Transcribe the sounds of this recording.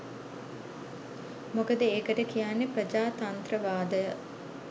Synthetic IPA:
mokəd̪əeːkəʈəkijanːepɾəd͡ʒaːt̪ɐnt̪ɾəʋaːd̪əjə

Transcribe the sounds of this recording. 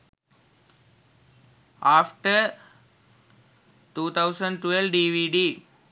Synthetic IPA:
aːfʈəɾ | ʈuːt̪ʰaʊsə̃ɳɖʈʋɛlʋɖiːʋiːɖiː

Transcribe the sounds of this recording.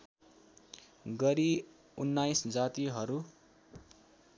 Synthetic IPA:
ɡʌɾi | unːajsd͡zat̪iɦʌɾu

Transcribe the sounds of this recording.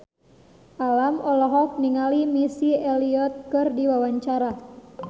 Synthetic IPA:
ʔalamɔlɔɦɔk̚niŋalimisieliɔt̪̚kɨrdiwawaɲt͡ʃaɾa

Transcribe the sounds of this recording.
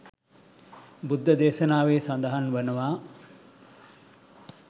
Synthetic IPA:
bud̪ʱːəd̪eːʃɐnaːʋeːsand̪ɐɦanʋənəʋaː

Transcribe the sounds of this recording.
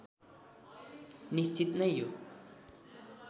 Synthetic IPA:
nist͡ʃit̪nʌjjo

